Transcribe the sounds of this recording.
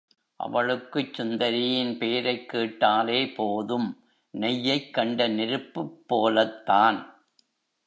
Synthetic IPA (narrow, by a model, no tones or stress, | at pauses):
ʔɐ̰ʋɐɭɯkːɯt͡ʃːʊnd̪ɐɾɪjɪnpeːɾɐɪkːeːʈːaːleːpoːðɯm | nɛjːɐɪkːɐɳɖɐnɪɾɯpːɯpːoːlɐt̪ːaːn